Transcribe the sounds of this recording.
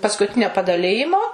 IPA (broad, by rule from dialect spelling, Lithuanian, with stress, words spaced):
pɐskʊˈtʲɪnʲoː pɐdɐˈlʲɪjɪmoː